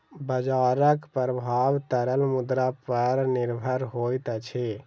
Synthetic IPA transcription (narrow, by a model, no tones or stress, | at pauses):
bəd͡ʒaɾəkpəɾəbʱaːʋt̪əɾəlmud̪ɾapəɾnɪɾbʱəɾɦojt̪ət͡ʃʰe